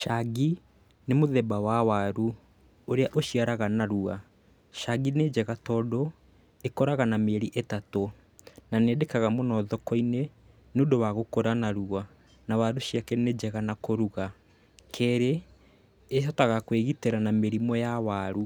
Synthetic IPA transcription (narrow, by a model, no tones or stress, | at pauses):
ʃaɡi | nemoðɛbawawaɾu | oɾeaʔoʃiaɾaɣanaɾua | ʃaɡined͡ʒɛɣatɔdo | ekɔɾaɣanameɾiʔetato | naneːdekaɣamɔnɔðɔkɔine | noːndowaɣokoɾanaɾua | nawaɾuʃiakɛned͡ʒɛɣanakoɾuɣa | kʰɛɾeː | ʃɔtaɣakweɣiteɾanameɾimɔjawaɾu